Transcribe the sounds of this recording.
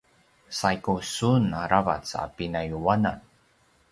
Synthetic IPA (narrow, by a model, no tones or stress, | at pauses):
sajkusunaɾava̰t͡sa̰pinajuwanan